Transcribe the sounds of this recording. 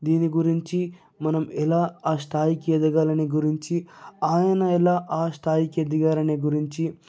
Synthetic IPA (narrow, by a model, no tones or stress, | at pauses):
d̪iːniɡuɾiɲt͡ʃi | mɐnɐmɛlaːaːst̪ʰaːjikied̪ɐɡaːlɐniɡuɾiɲt͡ʃiaːjɐnɐɛlaːʔaːst̪ʰaːjikied̪iɡaːlɐniɡuɾiɲt͡ʃi